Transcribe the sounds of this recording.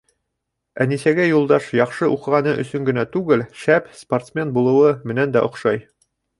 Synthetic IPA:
æ̰nisæɡæjulˠd̪ɑʃjɒqʃɤʔuqɤ̆ʁɑnɤʔɵ̰̆sɵŋɡɘ̆næt̪ʉɡɘlʃæpsport̪smʲe̞nbulˠɤ̆wɤmɘ̆nænd̪æʔŏqʃɑj

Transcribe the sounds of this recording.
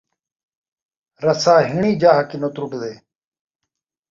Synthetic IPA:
ɾəsaːɦɪɳiːd͡ʒaːɦkɪnoːt̪ɾuɖd̪eː

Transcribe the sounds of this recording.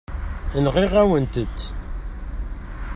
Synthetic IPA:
ənʁiʁæwənt̪əd̪

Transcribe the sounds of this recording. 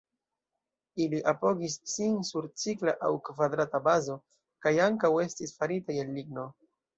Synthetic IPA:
iliʔapo̞ɡisːinsuɾt͡sikla̰ʔawkvad̪ɾatabazo̞ | kajaŋkawe̞stisfaɾitajelːiɡno̞

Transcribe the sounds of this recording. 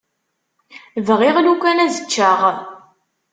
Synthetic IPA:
vʁiʁlukʷːænæzət͡ʃːəʁ

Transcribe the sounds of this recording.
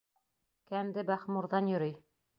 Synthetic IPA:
kæmd̪ɘbæχmuɾðɑnjŏɾɤj

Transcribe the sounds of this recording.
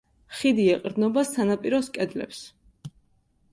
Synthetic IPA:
χid̪iɛqʼɾd̪nɔbasanapʼiɾɔskʼɛd̪lɛ̰ps

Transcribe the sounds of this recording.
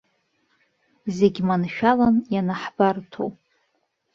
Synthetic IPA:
zeɡʲmanʃᶣalanjanaħbartʰo̰wʼ

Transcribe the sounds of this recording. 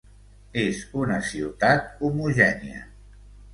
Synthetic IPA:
ezunəsiwt̪at̪̚umuʒɛniə̰

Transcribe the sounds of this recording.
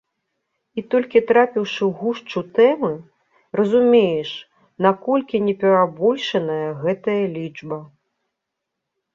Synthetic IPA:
it̪ɔlʲkʲit̪ɾapʲiwʂɨwɣuʂt͡ʂut̪ɛmɨ | ɾɐzumʲejɛʂ | nakɔlʲkʲinʲɛpʲɛɾabɔlʲʂɐnɐjɐɣɛt̪ɐjɐlʲid͡ʐbɐ

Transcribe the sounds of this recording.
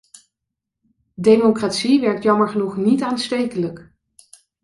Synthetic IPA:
dejmokratsiʋɛɹk̚tjɑməɹχənuχnitaːnstejkələk

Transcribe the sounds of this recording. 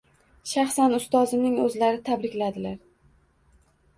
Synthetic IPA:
ʃaχsanʊst̪ɒzɪnɪŋɵzlaɾɪt̪ʰabɾɪkʲlad̪ɪlaɾ

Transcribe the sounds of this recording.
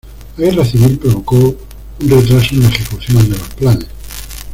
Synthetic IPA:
aɣeraθimilpɾoβ̞o̞ko | unret̪ɾasounaexekuθjonand̪elosplanes

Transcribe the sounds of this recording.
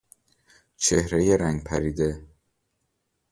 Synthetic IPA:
t͡ʃʰe̞hɾejeɾæŋɡpʰæɾiːd̪e̞

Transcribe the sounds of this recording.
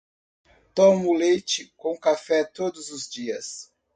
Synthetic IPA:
t̪õmʊlejt͡ʃɪkõkafɛt̪od̪ʊzʊzd͡ʒiɐs

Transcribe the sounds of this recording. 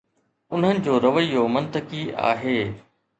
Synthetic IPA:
ʊn̤ɦənɪ̆d͡ʑoːɾɐʋəiːomɐ̃nt̪əkia̰ːɦeː

